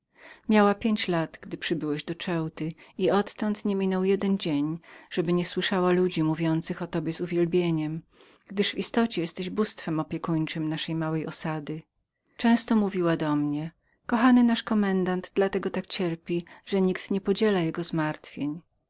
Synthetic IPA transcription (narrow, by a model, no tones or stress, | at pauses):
mʲjawapʲjeɲt͡ɕlat̪ɡ̥d̪ɘpʂɘbɘwɛʑd̪ɔt͡ʂɛwt̪ɘiɔt̪ːɔnt̪ɲɛmʲinɔwjɛd̪ɛnd͡ʑeɲʐ̥ɛbɘɲɛswɘʂawalud͡ʑimuvʲjɔnt̪sɘxɔt̪ɔbʲjɛzuvʲjɛlbʲjeɲɛm | ɡ̥d̪ɘʂvist̪ɔt͡ɕɛjɛst̪ɛʑbust̪fɛmɔpʲjɛkuɲt͡ʂɘmnaʂɛjmawɛjʔɔsad̪ɘ | t͡ʂɛ̃w̃st̪ɔmuvʲiwad̪ɔmɲɛ | kɔxanɘnaʂkɔmɛnd̪and̪d̪lat̪ɛɡɔt̪ak̚t͡ɕɛɾpʲiʐɛɲikt̪ɲɛpɔd͡ʑɛlajɛɡɔzmaɾt̪fʲjeɲ